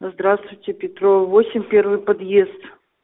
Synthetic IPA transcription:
zd̪ɾast̪vʊjtʲɪpʲɪt̪ɾovosʲɪmʲpʲervɨjpɐd̪jest̪

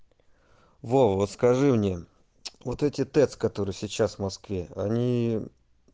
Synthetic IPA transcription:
vovot̪skɐʐɨmnʲe | vo̞t̪ɛtʲɪt̪ɛt̪skɐt̪o̞ɾɨjsʲɪt͡ɕːasvmɐskvʲe̞ɐ̰nʲi

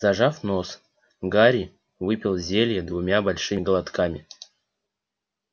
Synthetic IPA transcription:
zɐʐafno̞s | ɡaɾʲi | vɨpʲɪlˠzʲelʲjəd̪vʊmʲabɐlʲʂɨɡəlˠat̪kamʲɪ

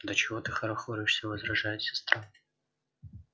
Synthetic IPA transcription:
d̪ət͡ɕɪvot̪ɨxəɾɐxoɾʲɪʂsʲəvəzɾɐʐajɪt̪sʲɐ̥st̪ɾan

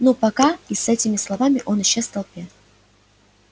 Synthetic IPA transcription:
nopɐkaɪsɛtʲɪmʲɪslˠɐvamʲɪʔo̞nɪɕːest̪ɐlˠpʲet̪

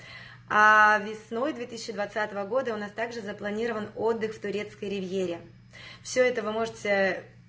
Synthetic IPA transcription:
avʲɪsno̞jd̪vʲet̪ɨsʲt͡ɕːɪd̪vɐt̪sat̪əvəɡo̞d̪əʊnast̪aɡʐɨzəplˠɐnʲiɾəvəno̞d̪ːɨxft̪ʊɾʲe̞t̪skəjɾʲɪvjeɾʲɪ | fsʲɵɛt̪əvɨmo̞ʐɨtʲɪ

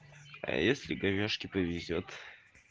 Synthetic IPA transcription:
a̰jesʲlʲɪ̰ɡɐvʲoʂkʲɪpəvʲɪzʲot̪

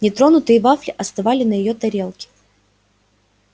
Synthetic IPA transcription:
nʲɪt̪ɾo̞nʊt̪ɨjɪvaflʲɪʔɐst̪ɐvalʲɪnəjɪjot̪ɐɾʲe̞lˠkʲɪ̥

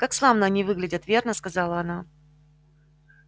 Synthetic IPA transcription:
kakslˠamnəɐnʲivɨɡlʲɪdʲət̪vʲe̞rnəskɐzɑlˠəɐna

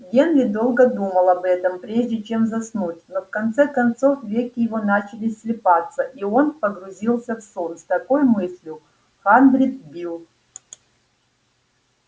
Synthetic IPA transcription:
ɡʲe̞nɾʲɪd̪o̞lˠɡəd̪uməlˠɐbɛt̪əmpɾʲeʐdʲɪt͡ɕe̞mzɐsnutʲnofkɐnt̪sɛkɐnt̪so̞fvʲekʲɪjɪvo̞nat͡ɕɪlʲɪsʲsʲlʲɪpat̪səʔio̞npəɡɾʊzʲilˠsʲəfsonst̪ɐko̞jmɨsʲlʲjʊ | xand̪ɾʲit̪̚bʲilˠ

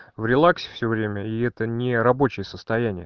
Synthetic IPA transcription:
vɾʲɪlˠaksʲɪ̥fsʲɵvɾʲemʲəiɛt̪ənʲɪɾɐbo̞t͡ɕɪjəsəst̪ɐjænʲɪjə

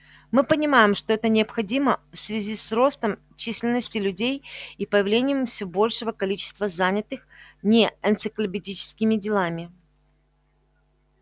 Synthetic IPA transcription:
mɨpənʲɪmajɪmʂt̪o̞ɛt̪ənʲɪɐpxɐdʲiməfsvʲɪzʲisro̞st̪əm | t͡ɕisʲlʲɪnːəsʲtʲɪlʲʉdʲejipəjɪvlʲenʲɪjəmfsʲobo̞lʲʂɨvəkɐlʲit͡ɕɪ̥st̪vəzanʲɪt̪ɨxnʲeənt̪sɨklʲɪpʲɪdʲit͡ɕɪ̥skʲɪmʲɪdʲɪlˠamʲɪ

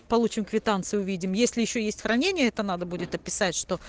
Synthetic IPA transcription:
pɐlˠut͡ɕɪmkvʲɪt̪ant̪sɨʊvʲidʲɪmjesʲlʲɪjɪɕːojesʲtʲxɾɐnʲenʲɪjəɛt̪ənad̪əbudʲɪt̪ɐpʲɪsatʲʂt̪o̞

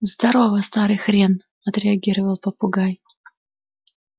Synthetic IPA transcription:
zd̪ɐɾovɐst̪aɾɨjxɾʲen | ɐt̪ɾʲɪɐɡʲiɾəvəlˠpɐpʊɡaj

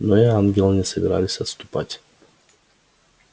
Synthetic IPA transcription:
nɔjɛaŋɡɛlɲɛsɛbɾa̰lisast̪upa̰cʲ

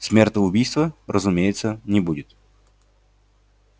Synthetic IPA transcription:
smʲert̪əʊbʲijst̪vərʔəzʊmʲejɪt̪sənʲɪbudʲɪt̪

